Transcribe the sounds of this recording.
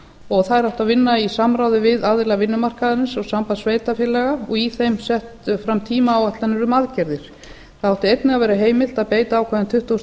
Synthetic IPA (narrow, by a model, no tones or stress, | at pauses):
ɔɣθaðɾaw̥t̪aðvɪnːaisamɾaːwðɪvɪðaðɪlɛɣvɪnːʏmar̥kaðanɪnsɔɣsampaðsveːjt̪afjɪlːɛɣaɔɣiθejmsɛht̪fɾamt̪ʰiːmaːwat̪lanːɪɾʏmaðcɛɾðɪɾ̥ | θaðhawht̪ɪejt̪nɪɣaðvɛːɾaɦeːjmɪl̥t̪aðpeːjt̪aːwkʰɛːðɪnt̪ʰʏht̪os